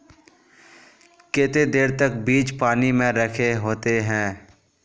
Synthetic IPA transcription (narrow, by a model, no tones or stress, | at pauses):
kɪt̪ed̪eːɾt̪əkbiːt͡ʃpaːnimẽɾəkʰeɦoːt̪eɦɛ̃ː